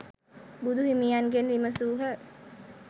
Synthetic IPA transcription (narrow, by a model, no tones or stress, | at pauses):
bud̪ʱuɦimijanɡenʋiməsuːɦə